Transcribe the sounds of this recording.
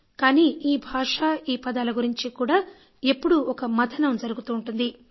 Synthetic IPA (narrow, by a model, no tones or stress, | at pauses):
kaːniːiːbʱaːʂaːiːpɐd̪aːlɐɡuɾiɲt͡ʃikuːɽaː | e̞pːuɽuɔkɐmɐt̪ʰɐnɐmd͡ʒɐɾuɡut̪uːɳʈund̪i